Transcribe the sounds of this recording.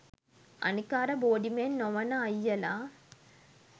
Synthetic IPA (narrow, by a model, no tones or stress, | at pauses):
ʔɐ̰nɯkːaːɾɐboːɖimennɔʋɐnɐɐjːɐlaː